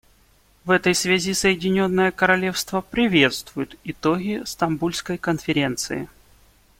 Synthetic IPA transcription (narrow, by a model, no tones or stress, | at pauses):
vɛt̪əjsvʲazʲisəjɪdʲɪnʲo̞nːəjəkəɾɐlʲe̞fst̪vəpɾʲɪvʲe̞t̪st̪vʊjʊt̪ɪt̪oɡʲɪst̪ɐmbulʲskəjkənfʲɪɾʲe̞nt̪sɨ̰ɪ̰